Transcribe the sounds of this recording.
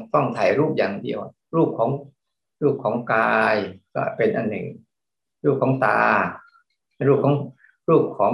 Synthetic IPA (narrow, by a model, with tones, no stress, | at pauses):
fɔ˥˩ŋt̪ʰaː˨˩jɾuː˥˩p̚jaː˨˩ŋdḭ˧əw | ɾuː˥˩p̚kʰɔː˩˦ŋ | ɾuː˥˩p̚kʰɔː˩˦ŋkaː˧jkɔ̰ː˥˩pe˧nʔa˧˩nːɯ̰˨˩ŋ | ɾuː˥˩p̚kʰɔː˩˦ŋt̪aː˧ | ɾuː˥˩kʰɔː˩˦ŋ | ɾuː˥˩p̚kʰɔː˩˦ŋ